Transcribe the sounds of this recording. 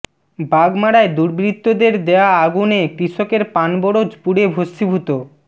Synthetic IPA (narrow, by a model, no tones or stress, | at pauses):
baɡmaɽaed̪uɾbɾit̪ːod̪eɾd̪eaaɡunekɾiʃokeɾpanboɽod͡ʑpuɽebʱost̪ibʱut̪o